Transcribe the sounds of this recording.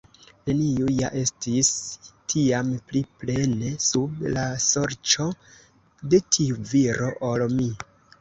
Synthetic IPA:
ne̞niuja̰ʔe̞stistʰiampliple̞ne̞sublasoɾt͡ʃo̞ | de̞tʰiuviɾo̞ʔolmi

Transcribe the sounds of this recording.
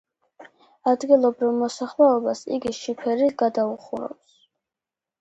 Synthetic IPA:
ad̪ɡilˠɔbɾivmɔsaχlɛɔbasḭɡiʃipʰɛɾiɡad̪auχuɾɔ̰ps

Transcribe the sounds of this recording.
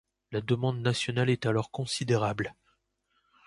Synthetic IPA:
lad̪əmɑ̃d̪nasjɔnalɛt̪alɔʁkɔ̃sid̪eʁabl

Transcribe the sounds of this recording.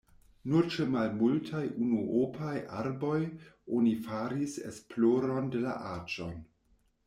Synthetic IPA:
nuɾt͡ʃemalmultʰajunuʔopʰajʔaɾbo̞jonifaɾisḛsploɾo̞nde̞la̰ʔat͡ʃon

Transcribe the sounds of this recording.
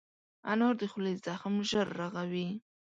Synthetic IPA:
anoɾd̪əxlezaxmʒəɾːaɣawi

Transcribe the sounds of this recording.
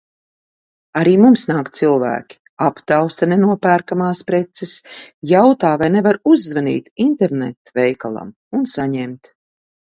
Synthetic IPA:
aɾiːmumsnaːk̪silˠvæ̰ːkʲi̥ | apt̪awst̪anenuɔpæːɾkamaːspɾɛt̪sɛsjawt̪aːvajnevaɾuzːvanḭːt̪int̪ɛɾnḛt̪vɛjkalˠa̰m | unsaɲɛmt̪

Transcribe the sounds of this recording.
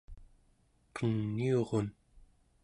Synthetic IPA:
qəŋːioʁon

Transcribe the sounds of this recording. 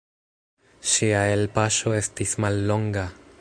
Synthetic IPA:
ʃiae̞lpaʃo̞e̞stismalːo̞ŋɡa

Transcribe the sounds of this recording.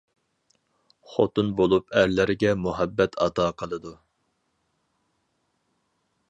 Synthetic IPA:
χot̪unbolˠupæɾlɪɾɪɡʲɛmuɦɛbːɛt̪ʰɑt̪ʰɑːqʰəlˠɨd̪u

